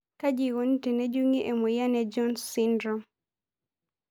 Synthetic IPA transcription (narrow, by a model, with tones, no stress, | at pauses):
ka˦d͡ʒi˨wo˨n˦te˨ne˦d͡ʒu˦ŋi˦ʔe˨mɔ˨ja˦nɛd͡ʒɔ˦nsːi˦ndɾɔ˦